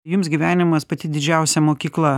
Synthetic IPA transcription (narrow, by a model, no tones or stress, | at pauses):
jʊmsɡʲiːʋʲæːnʲɪmɐspɐt̪ʲɪd̪ʲɪd͡ʒʲɛʊsʲɛmoːkʲiːklˠɐ